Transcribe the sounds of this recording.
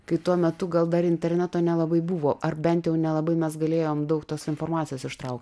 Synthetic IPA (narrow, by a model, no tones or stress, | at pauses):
kɐɪt̪uɔmʲɛt̪ʊɡɐlˠd̪ɐɾɪnʲt̪ʲɛɾʲnʲæt̪oːnʲɛlˠɐbɐɪbuʋoːʔɐrbʲɛnt̪jɛʊnʲɛlˠɐbɐɪmʲɛsɡɐlʲeːjoːmd̪ɐʊkt̪oːsɪnfoːrmɑːt͡ssʲɪjoːsɪʃt̪ɾɐʊkt̪ʲ